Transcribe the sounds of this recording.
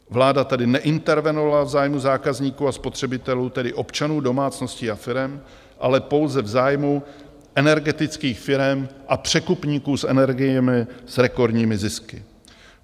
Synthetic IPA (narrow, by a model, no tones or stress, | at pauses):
vlaːdat̪adɪnɛʔɪnt̪ɛɾvɛnovalavzaːjmuzaːkazɲiːkuːaspo̞t̪r̝̥ɛbɪt̪ɛluːt̪ɛdɪʔo̞pt͡ʃanuːdo̞maːt͡sno̞scɪafɪɾɛm | ʔalɛpo̞wzɛvzaːjmu | ʔɛnɛɾɡɛt̪ɪt͡skiːxfɪɾɛmʔapr̝̥ɛkupɲiːkuːsʔɛ̰nɛɾɡɪjɛmɪsɾɛko̞ɾdɲiːmɪzɪskɪ